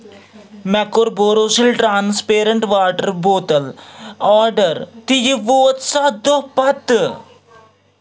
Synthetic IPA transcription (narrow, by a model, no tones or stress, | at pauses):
mɛkoɾboːɾoːsilʈɾaːnspeːɾɐɳʈʋaːʈəɾboːt̪ɐlɔːɾɖəɾt̪ijiʋoːt̪sɐd̪opɐt̪